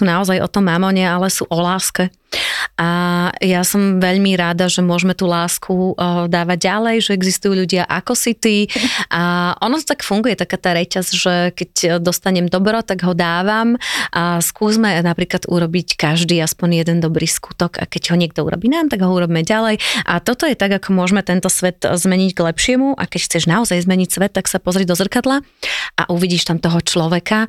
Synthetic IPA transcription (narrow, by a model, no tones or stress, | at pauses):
sunaɔzajʔɔ̰t̪ɔmːamɔɲɛalɛsuʔɔlaːskɛ | ʔajasɔmʋɛʎmiɾad̪aʒɛmʊɔʒmɛt̪uːlaːskʰud̪aːʋaɟɟalɛjʒɛɛɡzist̪ujuːʎuɟɪaʔakɔsit̪iʔaʔɔnɔt̪ɔ̥t̪akfuŋɡujɛt̪akaːt̪aːɾɛcazʒɛkɛcd̪ɔst̪aɲɛmd̪ɔbɾɔt̪aɡɦɔd̪aːʋamʔaskuːzmɛnapɾiːklad̪ṵɾɔbickaʒd̪iːaspɔɲjɛd̪ɛnd̪ɔbɾiːskut̪ɔɡa̰kɛɟɦɔɲɪɛɡ̚d̪ɔṵɾɔ̰biːnaːmt̪aɡɦɔuɾɔbimɛɟalɛjʔat̪ɔt̪ɔjɛt̪aɡakʰɔmʊɔʒmɛt̪ɛnt̪ɔsʋɛt̪zmɛɲiɟɡlɛpʃɪɛmuʔa̰kɛcxt͡sɛʒnaɔzajzmɛɲicsʋɛt̪ːaksapɔzɾid̪ɔzr̩kad̪laʔa̰ʔuʋiɟiːʃt̪amt̪ɔɦɔt͡ʃlɔʋɛka